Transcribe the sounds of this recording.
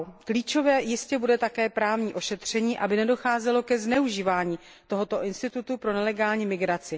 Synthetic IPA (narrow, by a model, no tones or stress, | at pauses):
kliːt͡ʃo̞vɛːjɪscɛbudɛt̪akɛːpɾaːvɲiːʔo̞ʃɛt̪r̝̥ɛɲiːʔabɪnɛdo̞xaːzɛlo̞kɛznɛuʒiːvaːɲiː | t̪o̞ɦo̞t̪o̞ʔɪnst̪ɪt̪ut̪upɾo̞nɛlɛɡaːlɲiːmɪɡɾat͡sɪ